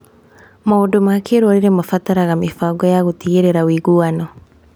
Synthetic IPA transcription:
maudumakeɾwɔɾiɾɛmafataɾaɣamifaɡɔjaɣutiɣɛɾɛɾawiɣuanɔ

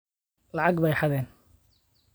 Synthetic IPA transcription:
lɑʕɑɡbɛjħɑðɛːn

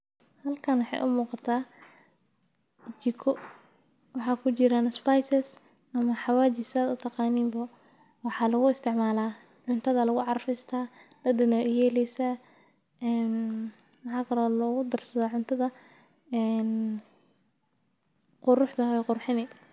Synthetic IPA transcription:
hɐlkʰɐnwɑħɑ̰jʔʊmuːqɑt̪ʰaː | t͡ʃɪkʰɔ | wɑħɑːkʰʊt͡ʃɪɾaːnspajsɛs | ɐmɐħɑwaːt͡ʃɪsaːd̪ʊt̪ʰɑqɑːniːmbɐ | wɑħɑːlɐɣʊɪst̪ʰɪʕmaːlaː | ʕʊnt̪ʰɐðɐlɐɣʊʕɑrfɪst̪ʰaːd̪̥ɐd̪ɪnɐʔʊjɛːlɛjsaː | ɛːn | mɑħɑːkʰɐlɔːlɔːɣʊd̪ɐrsɐðɔːʕʊnt̪ʰɐðɐ | ɛn | qʊɾʊħt̪ɐɦɛqʊrħɪnɪ

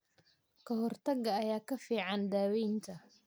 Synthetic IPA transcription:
kʰɐɦɔrt̪ʰɐɡɐːjaːkʰɐfiːʕɑnd̪aːwɛjnt̪ʰɐ

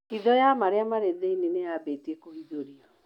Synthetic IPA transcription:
iðɔjamaɾeamaɾeðeineneabetiekoiðoɾiɔ

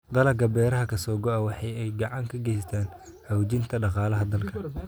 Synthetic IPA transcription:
d̪ɐlɐɡɐbɛːɾɐɦɐkʰɐsɔːɡɔʔɐwɑħɑjɛjɡɑʕɑŋkʰɐɡɛjst̪ʰaːn | hɐwt͡ʃɪnt̪ʰɐɖɑqɑːlɐɦɐd̪ɐlkʰɐ

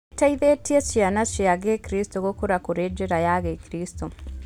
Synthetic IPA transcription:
taiðetiet͡ʃianat͡ʃiaɡekiɾistoɣokuɾakuɾed͡ʒeɾajaɣekiɾisto

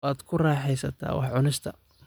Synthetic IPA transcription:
aːd̪kʰʊrɑːħɛjsɐt̪ʰa̰ːwɑ̰ħʕʊnɪst̪ʰɐ

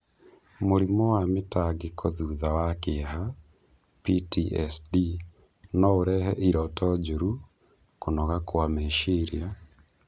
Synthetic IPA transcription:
moɾimɔwametaɡekʰoðuðawakeɦa | pitiɛsdi | nɔoɾɛɦɛʔiɾɔtɔd͡ʒuɾu | konɔɣakwamɛʃeɾia

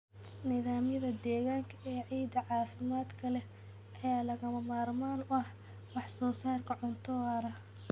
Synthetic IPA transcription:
nɪðaːmjɐðɐd̪ɛːɣaːŋkʰɐʔɛːʕiːd̪ɐʕɑːfɪmaːd̪kʰɐlɛ | ʔɐjaːlɐɣɐmɐmaːrmaːnʊɐh | wɑħsɔːsaːrkʰɐʕʊnt̪ʰɔɾɐ

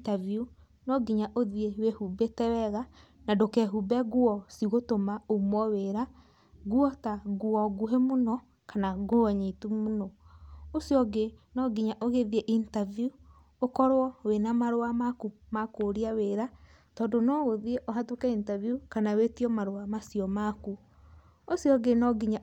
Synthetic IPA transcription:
taviu | nɔɡiɲaʔoðiewehubetɛwɛɣa | nadokɛɦubɛɣuɔsiɣotomaomwɔweɾa | ɣuɔtaɣuɔɡuɦemonɔ | kanaɡoaɲetumonɔosiɔɡenɔɡiɲaʔoɣeðieʔintaviju | okɔɾɔwenamaɾowamakumakoɾiaweɾa | tɔːndonɔɣoðieʔoɦatokɛintavjukanawetiɔmaɾoamasijɔmaku | osiɔɡenɔɡiɲa

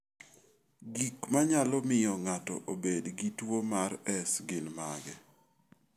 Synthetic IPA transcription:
ɡikmaɲalɔmɪjɔŋatɔ̰ʔobedɡitwomarɛsɡɪnmaɡɛ

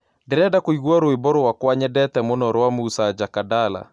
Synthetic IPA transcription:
ndeɾɛdakoiɣwaɾoebɔɾowakwaɲɛdɛtɛmonɔɾwamusad͡ʒakadala̰

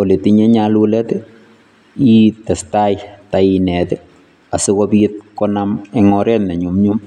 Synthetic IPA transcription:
ɔletiɲɛɲalulɛt | itɛstajtainɛtɪ | asɪkɔpit̚kɔnamɛŋɔɾɛtnɛɲumɲum

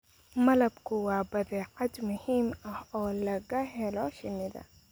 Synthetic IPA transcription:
mɐlɐbkʰʊwɑːbɐðɛːʕɐd̪mʊhiːmɐhɔːlɐɣɐɦɛlɔʃɪnːɪðɐ̰

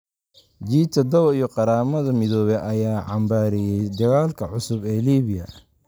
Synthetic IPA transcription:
d͡ʒiːt̪ʰɐd̪ɔwijɞqɑɾaːmɐðɐmɪðɔːβɛʔɐjaːʕɑmbaːɾɛjɛjd̪ɐɣaːlkʰɐʕʊsʊbɛːliːβɪjɐ

